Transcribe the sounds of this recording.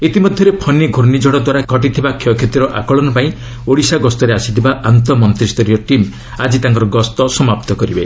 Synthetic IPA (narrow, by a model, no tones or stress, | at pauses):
it̪imɔd̪ʱjɔɾepʰɔniɡʱuɾnid͡ʒʱɔɽɔd̪waɾaɡʱɔʈ̬it̪ʰibakʰiɔkʰet̪iɾɔʔa̰kɔɭɔnɔpaĩ | oɽisaɡɔst̪ɔɾeasi̥t̪ʰibaʔant̪ɔmɔnt̪ɾist̪ɔɾiɔʈim | ad͡ʒit̪aŋkɔɾɔɡɔst̪ɔsɔmap̚t̪ɔkɔɾibe